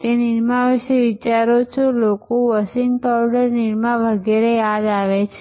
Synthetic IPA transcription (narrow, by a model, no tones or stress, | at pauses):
t̪eniɾmaʋiʃeʋit͡ʃaɾot͡ʃʰolokoʋəsɪŋɡpawɖəɾniɾmãʋəɡɛɾejad̪aʋet͡ʃʰe